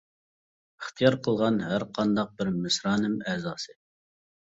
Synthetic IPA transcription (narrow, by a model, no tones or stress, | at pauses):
əχt̪ʰijɑɾqʰəlˠʁɑnɦæɾqʰɑnd̪ɑq̚bɪɾmɪsɾɑːnɨmɛzɑːsɨ